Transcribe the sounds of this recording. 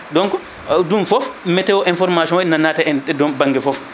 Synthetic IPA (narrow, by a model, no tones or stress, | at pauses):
dɔŋkɔ | dumfɔfmɛtɛwɔʔinfɔɾmaʃɔ̃nnanaːtaɛnɛdɔbaŋɡɛfɔf